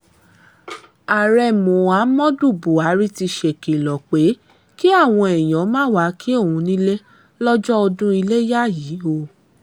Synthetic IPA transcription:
a˨ɾɛ˧˨mũ˨a˨˦mɔ̃˦du˦˨bu˨a˨˦ɾi˦ti˧ʃe˨ke˨lɔ˨k͡pe˨˦ | ki˦a˦˨w̃ɔ̃˧ɛ˨j̃ɔ̃˨˦mãː˦˨wa˨˦kʰi˦o˦˨wũ˧nĩ˦le˦ | lɔ˦d͡ʒɔ˦ɔ˧dũ˦i˧le˦ja˦˨ji˨˦o˧˨

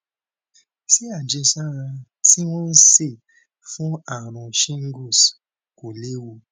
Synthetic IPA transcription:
si˦a˨d͡ʒe˧sa˦˨ɾã˧ | ti˦w̃ɔ̃˦n̩˦se˦˨ | fũ˦a˦˨ɾ̃ɔ̃˨ʃĩ˦ŋ̩˦ɡo˦˨s | ko˨le˦wu˧

